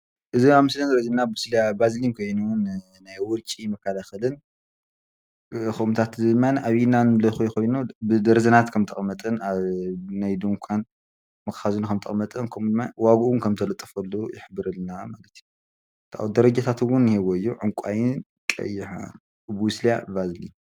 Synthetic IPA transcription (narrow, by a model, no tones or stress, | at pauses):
ʔɨziaβmɨslɐnd̪ɐɾɐzɐnːabwɨslijabazlimkʰo̞jnun | najwʊɾt͡ʃʼimɐkʰːalaxɐlɨn | xɨʔumt̪ʰat̪zɨmːanʔaβinanɨlɐxojkʰo̞jnubɨd̪ɐɾɐzɐnat̪kʰɐmt̪ʰɨχʼmɐt̪ʼɨnaβnajd̪umkʷʰan | mɐkxazunukʰɐmt̪ʰɨxʼmɐt̪ʼɨnkʰɐmd̪ɨmːawaɡuwʊnkʰɐmt̪ʰɐlɐt̪ʼːɨfɐlːojɪħbɨɾɨlnamalɐt̪ʰiju | t̪ʰa̰wd̪ɐɾɐd͡ʒat̪ʰat̪wʊnːhewɔjːoʕʊŋkʷʼajɪn | kʼɐ̰jːɪħa̰ | bwuslijabazlḭm